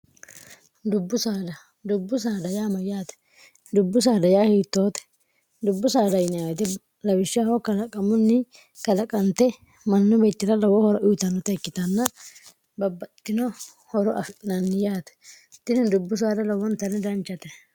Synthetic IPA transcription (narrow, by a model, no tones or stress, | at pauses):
d̪ʊbːʊsaːd̪ɐ | d̪ʊbːʊs̬aːd̪ɐjaːmɐjaːt̪ɛ̥ | d̪ʊbːʊs̬aːd̪ɐjaːhiːt̪ːoːt̪ɛ̥ | d̪ʊbːʊsaːd̪ɐjnɛawt̪ɛ | lɐwɪʃːɪahɔkɐlɐkʼːɐmʊnːɪ | kɐlɐkʼːɐnt̪ɛ | mɐnːʊbeːt̪ːɪɾɐlɐwɔhɔɾɐʔʊjt̪ɐnːɔt̪ɐjkːɪt̪ɐnːɐ | bɐbːɐt̪ːɪnɔ | hɔɾɔʔɐftʼɪnɐnːɪjaːt̪ɛ̥ | t̪ːɪnɪd̪ʊbːʊs̬aːd̪ɐlɐwɔnt̪ɐnɪd̪ɐnt͡ʃːɐt̪ɛ